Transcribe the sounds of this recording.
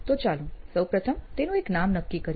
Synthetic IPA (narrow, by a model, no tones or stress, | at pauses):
t̪ot͡ʃalũsəwpɾət̪ʰəmt̪enũeknamnəkːikəɾ